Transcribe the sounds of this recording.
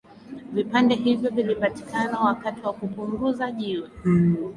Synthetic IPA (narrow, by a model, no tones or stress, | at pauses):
vipandɛɦivjɔvilipati̥kanawakatiwakupuŋɡuzaʄiwɛ